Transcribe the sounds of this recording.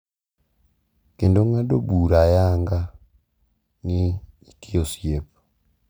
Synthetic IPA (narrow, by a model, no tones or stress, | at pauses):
kendoŋadobuɾajaːŋɡa | niitiosiepu̥